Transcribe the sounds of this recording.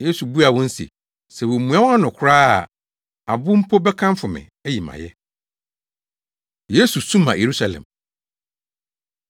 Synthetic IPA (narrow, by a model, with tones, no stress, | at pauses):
je˦su˨bu˦a˨wɔ̃˦n̩˦sḭ˨ | sɛ˨wɔ˨mũ˨ã˦wa˦nʊ̃˨kʰʊ˦ɾaː˦a˨ | a˨bʊ˦m̩˦pʰo˦bɛ˦kʰã˦mfʊ˨mɪ̰̃˨ | ɛ˦ji˨mã̰˨jɛ˦ | je˦su˨sũ˦mã̰˨jʔe˨ɾu˦sa˨lɛ̰̃˨m